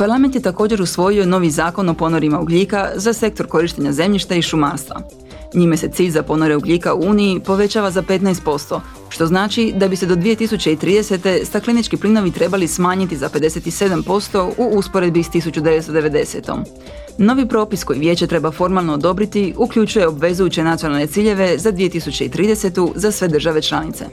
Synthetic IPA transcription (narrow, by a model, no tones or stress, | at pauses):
paɾlˠame̞nt̪̬jet̪ako̞ːd͡ʑe̞ɾusʋo̞jio̞no̞ːʋizaːko̞no̞po̞noɾimauɡʎiːkazase̞k̚t̪o̞ɾko̞ɾiʃt̪eɲaze̞mʎiʃt̪aiʃumaːɾst̪ʋa̰ | ɲiːmese̞t̪siːʎzapo̞noɾe̞uɡʎʲiːkauuːniipo̞ʋe̞t͡ɕaːʋazape̞t̪naest̪̚po̞st̪o̞ | ʃt̪o̞znaːt͡ʃid̪abise̞d̪o̞d̪ʋije̞t̪isut͡ɕe̞it̪ɾiːd̪e̞se̞t̪e̞st̪aklinit͡ʃkiplino̞ʋit̪ɾe̞balismaːɲit̪izape̞d̪e̞se̞t̪ise̞d̪ampo̞st̪o̞uuspo̞ɾe̞d̪bist̪isut͡ɕud̪eʋet̪st̪o̞d̪e̞ʋe̞d̪e̞se̞̰t̪o̞̰m | no̞ʋipɾo̞ːpisko̞jiʋje̞ːt͡ɕe̞t̪ɾe̞bafo̞ɾmalnoːd̪o̞bɾit̪iukʎut͡ʃuje̞o̞bʋe̞zujut͡ɕenat̪ijonalne̞t̪iːʎe̞ʋe̞zad̪ʋijet̪isut͡ɕe̞it̪ɾiːd̪e̞se̞t̪uzasʋe̞d̪ɾrʒaʋe̞t͡ʃlˠanit̪se̞̰